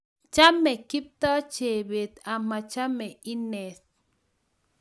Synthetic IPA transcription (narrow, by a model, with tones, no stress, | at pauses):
t͡ʃa˦mɛ˨ki˦p̚t̪ɔ˦t͡ʃe˨be˨t̪a˨ma˨t͡ʃa˦mɛ˨i˦ne˨s